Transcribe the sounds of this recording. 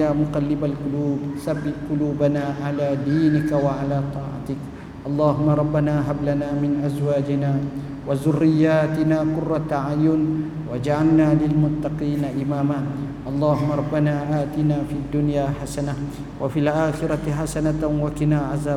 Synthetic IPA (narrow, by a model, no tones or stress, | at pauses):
aːmʊqɑlːɪbalqʊluːbsabːɪʔqʊluːbanaːʕalaːd̪iːnɪkawaʕalaːt̪ˤɑːʕa̰t̪ɪk | ʔɑlˤːɑːɦʊmːaɾˤɑbːanaːɦablanaːmɪnʔazwaːd͡ʒɪnaː | wazʊrːɪjːaːt̪ɪnaːkʊrːɑt̪aʕajʊn | wad͡ʒaʕalnaːlɪlmʊt̪ːɑqiːnaʔɪmaːmaː | ʔɑlˤːɑːhʊmːaɾˤɑbːanaːʔaːt̪ɪnaːfiad̪ːʊnjaːħasana | wafilʔaːxɪɾɑt̪ħasanat̪wakɪnaːʕazaː